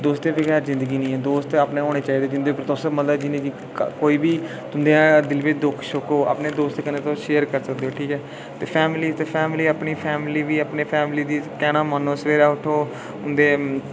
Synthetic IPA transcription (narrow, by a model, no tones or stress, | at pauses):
d̪oːst̪eːʋəɡɛːɾzɪ̃nd̪əɡiːnĩːɛːd̪oːst̪apneːoːɽ̃eːt͡ʃaːiːd̪eːd͡ʒɪnd̪oːipɾt̪osəmənləbd͡ʒɪnẽːd͡ʒiː | koːiːbiː | t̪ʊnd̪eãːd̪ɪlʋet͡ʃd̪ʊkʰʃʊkoːa̰pneːd̪oːst̪kənẽːt̪õːʃeːəɾkəɾsəkd̪eoːʈʰiːkɛː | t̪eːpʰɛːmliːt̪eːpʰɛːmliːəpɳiːpʰɛːmɪliːʋiːəpneːpʰɛːmliːd̪iːkɛːɽ̃ãːmənːõːsʋeːɾaːʊʈʰoː | ʊnd̪eː